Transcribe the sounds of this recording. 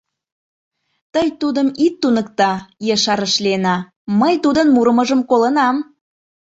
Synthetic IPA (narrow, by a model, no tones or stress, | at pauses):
t̪əjt̪ud̪əmit̪ːunək̚t̪ɑjeʃɑɾəʃlenɑ | məjt̪ud̪ənmuɾəməʒəmkolənɑm